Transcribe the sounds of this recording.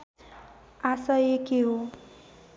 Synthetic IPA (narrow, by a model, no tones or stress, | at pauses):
asʌekeɦo